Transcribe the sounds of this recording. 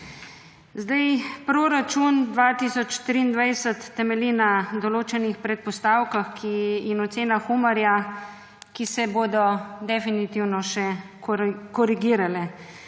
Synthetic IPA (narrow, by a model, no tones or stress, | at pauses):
zd̪ajpɾoːɾat͡ʃund̪ʋaːt̪isɔt͡ʃt̪ɾiːnd̪ʋajsət̪ːɛmɛlinad̪ɔloːt͡ʃɛnixpɾɛt̪̚pɔst̪aːwkaxkʰiinɔt̪seːnaxumaɾja | kisɛboːd̪ɔd̪ɛfinit̪iwnɔʃɛ | kɔɾiɡiːɾalɛ